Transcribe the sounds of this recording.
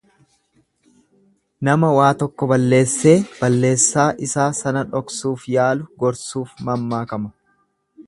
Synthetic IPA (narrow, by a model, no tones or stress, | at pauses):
nɐmɐwaːt̪ɔkːɔbɐlːe̞ːsːe̞ːb̥ɐlːe̞ːsːaːʔɪsaːsɐnɐᶑɔksuːfjaːlʊɡɔɾsuːfmɐmːaːkɐmɐ